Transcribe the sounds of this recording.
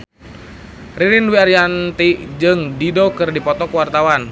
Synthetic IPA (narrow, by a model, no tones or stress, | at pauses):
riɾinwiaɾjant̪id͡ʒɨŋdidɔkɨrdipɔt̪ɔkuwart̪awan